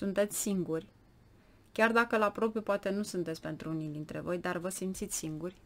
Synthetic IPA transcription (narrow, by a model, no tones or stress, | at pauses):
sunt̪e̞t̪sʲsiŋɡurʲ | kʲard̪akəlapɾo̞pjupoat̪e̞nusunt̪et̪sʲpe̞nt̪ɾuunid̪int̪ɾe̞̰vo̞jd̪arvəsimt̪sit̪sʲsiŋɡurʲ